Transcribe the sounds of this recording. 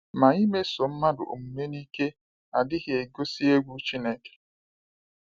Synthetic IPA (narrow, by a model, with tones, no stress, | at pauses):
ma˨i˦me˦so˨m̩˦ma˦dʊ̰˨ʔo̰˨m̩˨me˦ni˦ke˦ | a˨dɪ˦ɣɪ˨e˨ɡo˦si˦e˦ɡʷu˦t͡ʃi˦ne˦ke̥˨